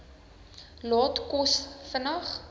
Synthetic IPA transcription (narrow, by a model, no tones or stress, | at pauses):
lɑːtkɔsfənəχ